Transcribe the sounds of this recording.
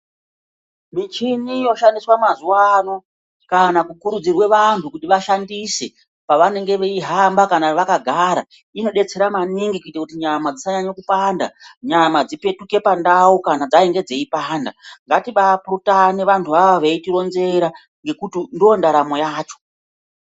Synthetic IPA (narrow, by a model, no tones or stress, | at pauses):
mit͡ʃinijo̞ʃandiswamazuwano̞ | kanakukuɾud͡zirwe̞ʋantʰukutiʋaʃandise̞ | paʋane̞ŋɡe̞ʋeiɦambakanaʋakaɡʱaɾa | ino̞ɗe̞t͡se̞ɾamaniŋɡikuitakutiɲamad͡zisaɲaɲakupaːnda̰ɲamad͡zipe̞tuke̞pandaukanad͡zaeŋɡe̞d͡ze̞ipaːndaŋɡatiɓapurutaneʋantʰuaʋaʋeitiɾo̞nze̞ɾa | ŋɡe̞kutindiondaɾamo̞jaːt͡ʃo̞̥